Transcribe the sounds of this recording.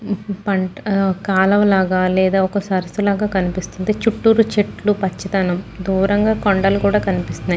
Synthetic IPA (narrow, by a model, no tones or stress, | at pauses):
pɐɳʈkaːlɐʋlaːɡaːlɛːd̪aːɔkɐsɐɾɐsulaːɡaːkɐnipist̪unt̪eːt͡ʃuʈːuːɾut͡ʃeʈlupɐt͡ʃːɐt̪anɐmd̪uːɾɐŋɡaːkoɳɖɐlukuːɽaːkɐnipist̪und̪ii